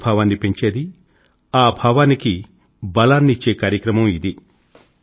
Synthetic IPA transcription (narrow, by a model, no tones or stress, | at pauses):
bʱaːʋaːnːipe̞ɲt͡ʃe̞ːd̪i | aːbʱaːʋaːniki | bɐlaːnːit͡ʃːe̞ːkaːɾjɐkɾɐmɐmid̪i